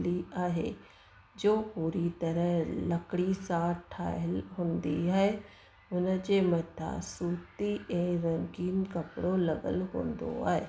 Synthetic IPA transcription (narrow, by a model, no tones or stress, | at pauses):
liːaːɦḛː | d͡ʒoːpuːɾit̪əɾəɦləkɽisaːɾʈʰa̰ːəlɦʊ̃nd̪ḭːɛe | ʊnãd͡ʒeːmət̪ʰa̰ːsuːt̪iːʔẽːɾəŋɡiːnkəpɽoːləɡə̰lɦõ̰ːnd̪o̰a̰ːḛː